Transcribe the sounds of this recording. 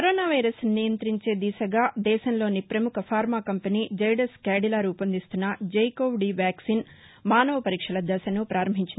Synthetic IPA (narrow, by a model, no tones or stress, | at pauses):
kkɐɾoːnaːʋɐjɾɐsnijɐnt̪ɾiɲt͡ʃe̞ːd̪isɐɡaːd̪ɛːʃɐnlo̞ːnipɾɐmukʰɐpʰaːɾmaːkɐmpeniːd͡ʒɐjɖɐskaːɖilaːɾuːpɐnd̪ist̪unːɐd͡ʒɐjkoːwɖiːʋaːksiːn | maːnɐʋɐpɐɾiːkʂɐlɐd̪ɐsɐnupɾaːɾɐmbʱiɲt͡ʃini